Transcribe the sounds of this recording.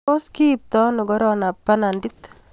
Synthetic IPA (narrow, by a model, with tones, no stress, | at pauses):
o˦ski˦p̚t̪ɔ˦nʊ˨ɡɔ˦ɾɔna˨pːa˦na˨ndi˦t̪